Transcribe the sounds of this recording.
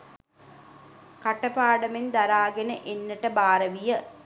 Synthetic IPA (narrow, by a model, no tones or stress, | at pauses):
kaʈəpaːɖəmend̪aɾaːɡenəʔenːəʈəbaːɾɐʋijə